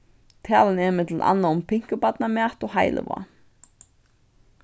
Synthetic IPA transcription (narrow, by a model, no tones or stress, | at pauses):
t̪ʰjaːlɪnɛɾmɪt̪lʔa̰nːaʊmpʰɪŋ̥kʏpat̪namjaht̪ɔɣɦaːjlɪ̰va̰